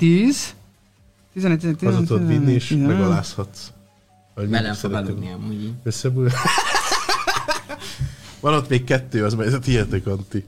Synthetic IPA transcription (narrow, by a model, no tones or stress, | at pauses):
t̪iːz | t̪izɛnɛt̪izt̪ːɒzot̪ot̪inːieːʃɡmmɛɡɒlaːshɒt̪s | ɒɟmiɛsɛɾɛt̪ɛɛuøsːɛbul | vɒnot̪meːkkɛt̪ːøːɒzmɛjzɛt̪iɛt̪økɒnt̪i